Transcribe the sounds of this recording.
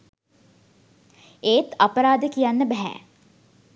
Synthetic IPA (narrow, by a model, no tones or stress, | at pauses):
eːt̪apəɾaːd̪əkijanːəbɛɦæ̰